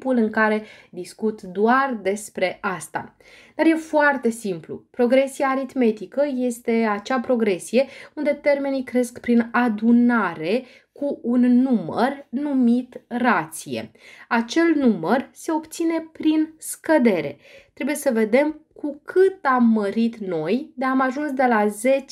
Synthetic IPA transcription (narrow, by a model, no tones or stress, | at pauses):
pulɨŋkaɾe̞d̪iskut̪d̪oard̪e̞spɾe̞ʔast̪a̰ | d̪̥arje̞foart̪e̞simplṵpɾo̞ɡɾe̞sijaːɾit̪me̞t̪ikəje̞st̪e̞at͡ʃapɾo̞ɡɾe̞sije̞und̪e̞t̪e̞rme̞nikɾe̞skpɾinad̪unaɾe̞ | kuunːumə̰rnumit̪rat̪sije̞̰at͡ʃe̞lnumərse̞o̞pt̪sine̞pɾinskəd̪e̞ɾe̞̰ | t̪ɾe̞buje̞səve̞d̪e̞mkʰukʰɨt̪amːəɾit̪no̞jd̪eamaʒunsd̪e̞laze̞t͡ʃ